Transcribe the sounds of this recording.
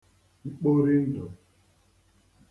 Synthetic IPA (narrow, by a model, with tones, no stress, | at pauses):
i˦k͡po˦ɾɪ˦n̩˦d͡ʒɔ˨